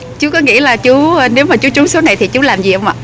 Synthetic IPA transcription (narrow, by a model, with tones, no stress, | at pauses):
t͡ɕu˨˦kɔ˨˦ŋḭ˧˥laː˨˩t͡ɕu˨˦˧ne˨˦wmaː˨˩t͡ɕu˨˦t͡ɕu˨˦so˨˦na˨˩jt̪ʰi˨˩t͡ɕu˨˦laː˨˩mzi˨˩ʔə˧wŋ͡mʔa̰ː˧˩˨